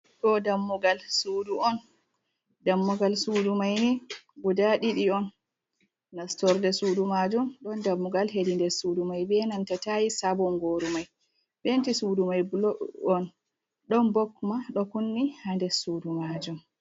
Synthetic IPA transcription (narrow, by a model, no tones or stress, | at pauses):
ɗɔdamːuɡalsuduɔn | damːuɡalsudumajnibudaɗiɗiɔnː | astɔɾdɛsudumad͡ʒumɗɔndamːuɡalɦedindɛsudumajbɛnantatajisabɔŋɡoɾumaj | bentisudumajblɔn | ɗɔnbɔkːmaɗɔkunːihandɛsudumad͡ʒum